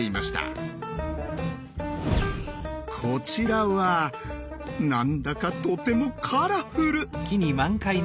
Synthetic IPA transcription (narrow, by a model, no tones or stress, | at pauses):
eima̰ɕi̥t̪a̰ | kʰo̞t͡ɕiɾaβa | nãnd̪akat̪o̞t̪e̞mo̞kʰaɾaɸɯɾɯ̟kʲiɲ̟imãŋkai